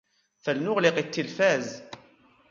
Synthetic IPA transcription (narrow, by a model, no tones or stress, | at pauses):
θəlnʊʁlɪqit̪ːilfæz